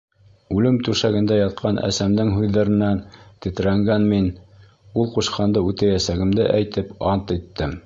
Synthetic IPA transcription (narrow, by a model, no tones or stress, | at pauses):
ʉlɘmt̪ʉʃæɡɘ̆nd̪æjɑt̪̚qʰɑnʔæ̰sæmd̪ɘŋɦʉðːæɾɘ̆nænt̪ɘ̆t̪̆ɾæŋɡænmin | ulˠquʃqʰɑnd̪ɤʉt̪æjæsæɡɘ̆md̪ɘʔæjt̪ɘpɑnt̪it̪ːɘm